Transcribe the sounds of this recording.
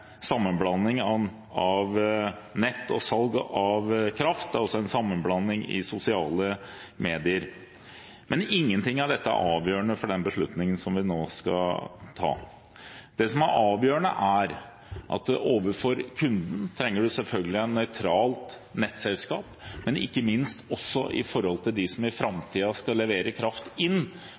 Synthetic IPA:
sɑmːənblɑnːɪŋɑ | ɑʋ | nɛt̪ːɔsɑlɡɑʋkʰɾɑft̪̚d̪æɾɔsːɔɛnsɑmːənblɑnːɪŋɪ̰sʊsɪɑːləmeːd̪ɪəɾ | mʔɛnɪŋːənt̪ɪŋːɑɖɛt̪ːəæ̰ɾʔɑːʋjøːɳəfɔɖɛnbəʂɭʉt̪nɪŋənsɔmʋɪnoːskɑ̰t̪ʰɑ̰ː | d̪̥ɛsɔmæɾʔɑːʋjøːəɳə̰ʔæɾ | ʔɑ̰t̪̚d̪ʔoːʋəɾfɔɾkʰʉnd̪n̩t̪ʰɾɛŋːəɖʉsɛlfœlɡəlɪænnœʏt̪ʰɾɑːlt̪ | nɛt̪sɛlskɑːpmɛnɪ̰kːəmɪnst̪ɔsːɔʔɪ̰fɔɾhɔlt̪ʰɪld̪ɪsɔmɪfɾɑmt̪ʰiːɑskɑlːɛʋeːɾəkʰɾɑft̪ɪnː

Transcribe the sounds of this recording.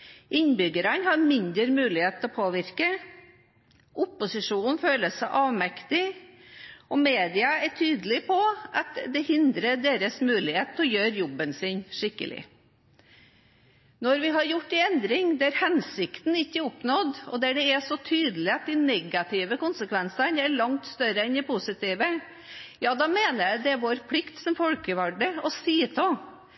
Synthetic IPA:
ʔɪnbʏɡəɾənhɑɾmɪnd̪əɾmʉːlɪheːt̪ʰɔpʰoːʋɪɾkə | ʔʊpʊsɪʂuːn̩føːləsæɪʔɑːʋmɛkt̪ɪ | ʔɔmeːd̪ɪɑæʈʰyːd̪əlɪpʰɔʔɑt̪d̪ɛhɪnd̪ɾəɖeːɾəsmʉːlɪheːt̪ʰːɔjøːɾjɔbːənsɪnʂɪkːə̰lɪ̰ | nɔɾʋɪɦɑɾjʊʈːɪɛnd̪ɾɪŋd̪ɛæɾhɛnsɪkt̪n̩ɪçːəʊpnɔd̪ɔ̰d̪æɖɛæsɔt̪ʰyːd̪əlɪɑt̪̚d̪ɪnɛɡɑt̪ʰɪːʋəkʊnsəkʋɛnsəɳæɭɑŋt̪st̪œɾəɛnd̪ɪpʊsɪt̪iːʋə | jɑːd̪ɑːmeːnəɾjæd̪ɛʋoːɾpʰlɪkt̪sɔmfɔlkəʋɑɖəɔsiːt̪ʰɔ

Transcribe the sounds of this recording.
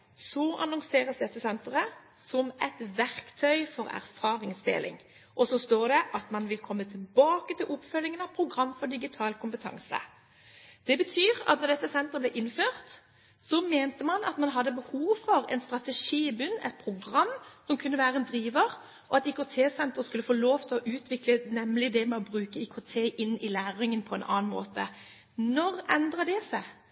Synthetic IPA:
sɔʔɑnɔŋseːʁəsd̪ɛt̪ːəsɛnt̪ʁə | sɔmɛt̪ʋæɾkt̪ʰœʏfɔɾæ̰ʁfɑːʁɪŋsd̪ḛːlɪ̰ŋ | ʔɔsɔst̪oːd̪ɛʔɑt̪mɑnʋɪlkʰɔmːət̪ʰɪlbɑːkət̪ʰɪlʔʊpfœlːɪŋənɑpʰɾʊɡʁɑmːfɔd̪ɪɡɪt̪ʰɑːlkʊmpət̪ʰɑ̰ŋsə̰ | d̪̥ɛbət̪ʰyːʁɑ̰t̪nɔʁd̪ɛt̪ːəsɛnt̪əʁəblɛʔɪnføːʁt̪ | sɔmeːnt̪əmɑnɑt̪mɑnɦɑd̪ːəbəhuːʋfɔʁɛ̰nst̪ʁɑt̪ɛʂiːɪbʉnːɛ̰t̪̚pʰʁʊɡʁɑmːsɔmkʰʉnːəʋæːɾəɛnd̪ɾiːʋəʁ | ɔɑt̪ɪkʊt̪ʰeːsɛnt̪ʁəskʉlːəfoːloːʋt̪ʰɪlɔʔʉːt̪ʰʋɪklənɛmlɪd̪ɛmɛɔbʁʉːkəɪkʰʊt̪ʰeːʔɪnːɪlæːʁɪŋənpʰɔɛnʔɑ̰ːnmo̰ːt̪ə | nɔʁɛnd̪ʁəd̪ɛsə

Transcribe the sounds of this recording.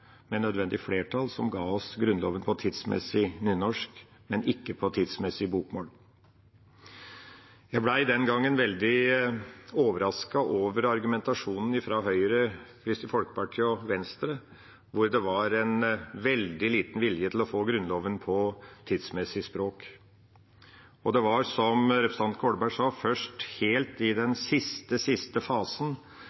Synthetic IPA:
mɛnœd̪ʋɛnd̪ɪfleːʈʰɑlsɔmɡɑːɔsɡɾʉnlɔːʋənpʰɔt̪ʰɪd̪smɛ̰sɪnyːnɔʂk | mɛnɪkːəpʰɔt̪ʰɪd̪smɛsɪbuːkmoːl | jæɪblæɪd̪ɛnɡɑŋːɛnʋɛld̪ɪ | oːʋəɾɑskɑʔoːʋəɾɑɾɡʉmɛnt̪ɑʂuːnn̩ɪfɾɑɦœʏɾəkʰɾɪst̪ɪfɔlkə̥pʰɑɾkɔʋɛnst̪ɾə | ʋʊɾd̪ɛʋɑɾɛnʋɛld̪ɪliːt̪n̩ʋɪljət̪ʰɪlɔfoːɡɾʉnloːʋənpʰɔt̪ʰiːd̪smɛsɪspɾoːk | ɔd̪ɛʋɑɾsɔmɾɛpɾəst̪ɑnt̪̚kʰoːɖbæʂɑːfœʂʈheːlt̪ɪd̪ɛnsɪst̪əsɪst̪əfɑːsən

